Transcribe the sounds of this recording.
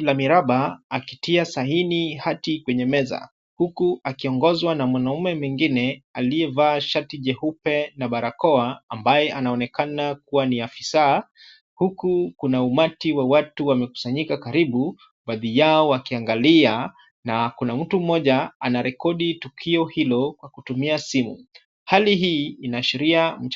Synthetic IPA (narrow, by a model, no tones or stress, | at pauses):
lamiɾaɓaːkitiasaɦinihatikwɛɲɛmɛza̰ | hukuakiɔŋɡɔzwanamwanaumɛmwiŋɡinɛaliɛvaːʃatiʄɛhupɛnaɓaɾakɔaambajɛʔanaɔnɛkanak̚uwaniafisaː | hukukunaumatiwawatuwamɛku̥saɲikakaɾiɓu | ɓaðijaɔakiaŋɡalia | nakunam̩tum̩ɔʄaanaɾɛkɔɗitukʰiɔhilɔkwakutumiasimṵ | haliɦiːinaʃiɾiam̩